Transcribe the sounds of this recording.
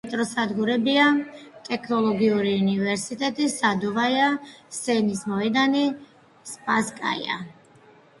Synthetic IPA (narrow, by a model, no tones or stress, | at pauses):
ɛt̪ʼɾɔsad̪ɡuɾɛbia | t̪ʼɛkʰnɔlˠɔɡiuɾiunivɛɾsit̪ʼɛt̪ʼisad̪ɔvajasɛnismɔɛd̪ani | spʼaskʼa̰ja̰